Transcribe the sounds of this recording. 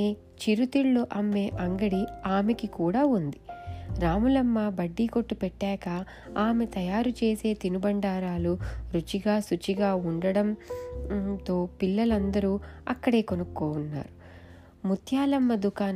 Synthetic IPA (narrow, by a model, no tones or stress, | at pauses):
e | t͡ʃiɾut̪iɭːuʔɐmːe̞ːʔɐŋɡɐɽiaːmekikuːɽaːund̪iɾaːmulɐmːɐbɐɖːiːko̞ʈːupɛʈːaːkɐ | aːme̞t̪ɐjaːɾut͡ʃe̞ːse̞ːt̪inubɐɳɖaːɾaːluɾut͡ʃiɡaːsut͡ʃiɡaːuɳɖɐɽɐm | t̪o̞ːpilːɐlɐnd̪ɐɾuːɐkːɐɽe̞ːko̞nukːoːunːa̰ːɾu | mut̪ʰjaːlɐmːɐd̪ukaːn